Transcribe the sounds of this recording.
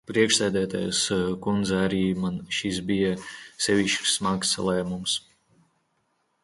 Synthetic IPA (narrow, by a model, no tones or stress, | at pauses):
pɾiɛkʃsæːd̪æːt̪a̰jskund̪zɛaɾiːmanʃisbijasɛʋʲiʃt͡ʃsmaksa̰lˠɛːmums